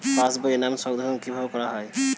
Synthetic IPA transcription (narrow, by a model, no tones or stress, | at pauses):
pãsbɔjɛnamsɔɡd̪ʱɔɔnkibʱabɔkɔɹaɦɔj